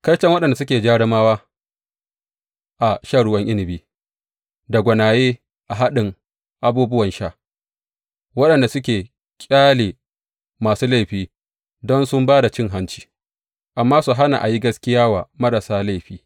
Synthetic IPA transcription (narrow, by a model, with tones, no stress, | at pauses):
kɐ˦jt͡ʃɐ˦ŋwɐ˦ɗɐ˨nda˨s̬ʊ˦kʲeː˨d͡ʒaː˦ɽɪ˦maː˦waː˦ | ʔa˨ʃa˦˨ɽʊ˦wɐ˦ŋʔɪ˦nɪ˨biː˦ | da˨ɡʷɐ˨naː˨jeː˦ | ʔa˨ɦa˦ɗɪ˨ŋ | ʔa˨buː˦bʊ˦wɐ˨nʃa˦˨ | wɐ˦ɗɐ˨nda˨sʊ˦kʲeː˨ | kʲʼaː˦leː˨ | maː˨suː˦la˦jɸiː˦ | dɔ˦nsʊ˦mbaː˦da˨t͡ʃɪ˦˨ŋɦa˦nt͡ʃi̥ː˦ | ʔa˨mːaː˦su˨ɦa˦na̰˨ʔa̰˨ji˦ɡɐ˦skʲɪ˦jaː˦wa̰ː˨mɐ˦ɾa˨saː˦la˦˨jɸiː˦